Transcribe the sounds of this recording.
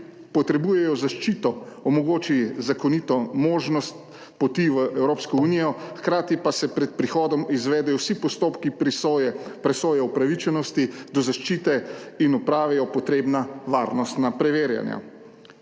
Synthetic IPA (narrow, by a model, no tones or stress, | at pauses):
pɔt̪ɾɛbuːjɛjɔzaʃt͡ʃiːt̪ɔɔmɔɡoːt͡ʃizakɔnit̪ɔmoːʒnɔst̪̚ | pɔt̪iʋəʔɛwɾoːpskɔunijɔxkɾaːt̪ipasɛpɾɛt̪̚pɾixɔːd̪ɔmizʋɛːd̪ɛjɔwsipɔst̪oːpki | pɾɛsoːjɛɔpɾaʋit͡ʃɛnɔst̪id̪ɔzaʃt͡ʃiːt̪ɛinɔpɾaːʋɛjɔpɔt̪ɾeːbnaʋaːɾnɔst̪napɾɛʋeːɾja̰nja̰